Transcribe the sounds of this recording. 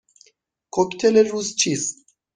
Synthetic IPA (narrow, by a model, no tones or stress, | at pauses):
kokʲt̪ʰeleɾust͡ʃis